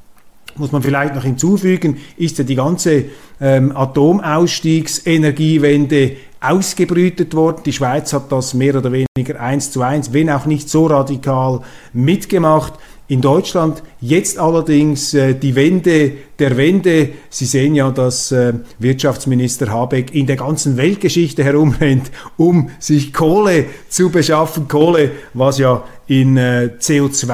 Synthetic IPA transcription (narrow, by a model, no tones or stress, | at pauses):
mʊsmɑnfɪlaɪçtnɔχhɪnt͡suːfyːɡənʔɪstjaːdiːɡɑnt͡səɛmɑtoːmaʊsʃtiːksenɛʁɡiːvɛndə | ʔaʊsɡ̥əbʁyːtətvɔrdn̩d̥iːʃv̥aɪt͡shɑt̚d̥ɑsmeːɾoːdəveːnɪɡəɾʔaɪnst͡suaɪnsvɛnaʊxnɪçtsoːrɑdikʰɑːl | mɪtɡ̥əmɑχt | ɪndɔʏt͡ʃlɑndjɛt͡stɑlːədɪŋsɛːd̥iːvɛndəd̥eːɐvɛndəz̥iːzeːənjaːdɑsɛvɪɐtt͡ʃɑft͡sminɪstəɾɦɑːbɛkʰɪndeːɐɡɑnt͡sn̩vɛlt̚ɡ̥əʃɪçtəɦɛɾʊmʁɛntʊmz̥ɪçkʰoːlət͡subəʃɑfn̩kʰoːləvɑsjaː | ɪnt͡seːot͡sv